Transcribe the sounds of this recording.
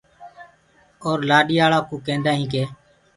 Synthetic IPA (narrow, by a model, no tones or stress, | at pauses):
oːɾlaːɗiːaːɭaːkũːkẽːnd̪aːɦĩːkeː